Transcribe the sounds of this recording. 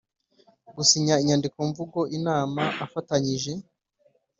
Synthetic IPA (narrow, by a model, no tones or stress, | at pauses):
ɡusiɲaiɲandikoɱvuɡo̞ʔinaːmaʔːfataɲiʒe̞